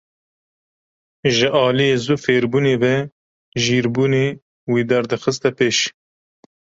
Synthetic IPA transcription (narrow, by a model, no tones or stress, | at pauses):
ʒɨʔɑːlijeːzuːfeːɾbuːneːvɛ | ʒiːɾbuːneː | wiːd̪ɛɾd̪ɨxɨst̪ɛpeːʃ